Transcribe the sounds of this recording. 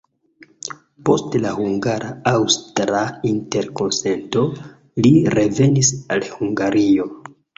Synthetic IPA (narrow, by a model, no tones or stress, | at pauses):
po̞stlahuŋɡaɾʔaawstɾainte̞ɾko̞nse̞nto̞ | liɾe̞ve̞nisalhuŋɡaɾio̞